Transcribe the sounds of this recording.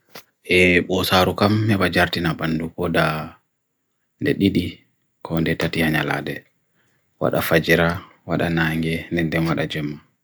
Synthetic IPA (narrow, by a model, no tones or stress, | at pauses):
ʔɛɓɔsaɾukamːɛbad͡ʒaɾtinabandukɔda | ndɛɗiɗi | kʰɔndɛtatihaɲala̰dɛ | wa̰ɗa̰fad͡ʒiɾa | waɗanaŋɡɛndɛndɛnwaɗad͡ʒɛmːa